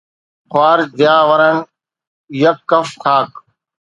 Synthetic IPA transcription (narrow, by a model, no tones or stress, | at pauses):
xwaːɾd̪ɪjaːʋəɾən | jəkːəfkʰaːk